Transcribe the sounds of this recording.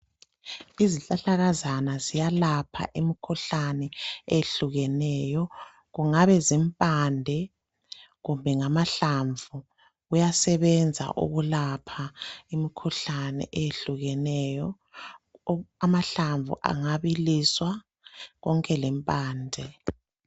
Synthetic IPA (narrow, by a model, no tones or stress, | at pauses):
iziɬʼaɬaɣazanazijalapʰa̰ʔimikʰuɬanɛeɬuɣɛnɛjɔ | ɣuŋaβɛzimpʼandʱɛ | ɣumbʱɛŋamaɬaɱvʱu | ɣujasɛβɛnd͡zʱa̰ʔṵɣulapʰaimikʰuɬanɛ̰ʔejeɬuɣɛnɛjɔ | amaɬaɱvṵʔa̰ŋaβiliswa | ɣɔŋkʼɛlɛmpʼaːndʱɛ